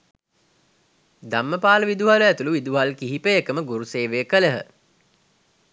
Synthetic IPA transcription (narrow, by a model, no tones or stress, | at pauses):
d̪amːəpaːləʋid̪uɦaləæt̪uluʋid̪uɦalkiɦipəekəməɡuɾuseːʋejəkələɦə